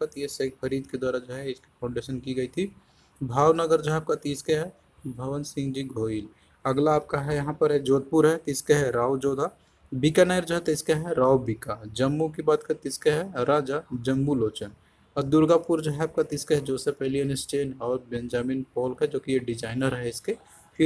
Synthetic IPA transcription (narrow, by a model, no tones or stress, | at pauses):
kɐt̪jesekpʰɐɾiːd̪ked̪waːɾad͡ʒoɦɛɪski̥pʰãʊɳɖeːʃənkiɡɐit̪ʰi | bʱaːwnɐɡəɾd͡ʒɦɛap̚kat̪iːskeɦɛ | bʱɐʋənsɪ̃ŋɡd͡ʒiɡʱoːil | ɐɡlaːp̚kaɦɛjɐɦãpɐɾɦɛd͡ʒoːd̪̚pʊɾɦɛt̪ɪskeɦɛɾaːʋd͡ʒoːd̪ʱa | bɪkanɐjəɾd͡ʒɦɛt̪ɪskeɦɛɾaːwbɪkad͡ʒɐmːuk̬ibaːd̪kɐɾt̪ɪskeɦɛɾaːd͡ʒad͡ʒɐ̃mbuloːt͡ʃən | ɔd̪ʊɾɡapuɾd͡ʒoɦɛaːp̚kat̪ɪskeɦɛd͡ʒoːsepeɦliənɪst͡ʃeːnɔːɾbɛ̃nd͡ʒaːmiːnpɔːlkɦɛd͡ʒoːkijeɖɪd͡ʒaːɪnəɾɦɛɪske | fʰɪ